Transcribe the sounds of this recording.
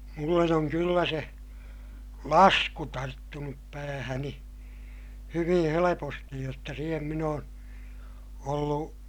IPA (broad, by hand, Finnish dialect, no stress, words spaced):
mulːen oŋ kylːæ se lɑsku tɑrtːunup pæːhæni hyʋĩː helepostij jotːɑ siːhem min oːn olːu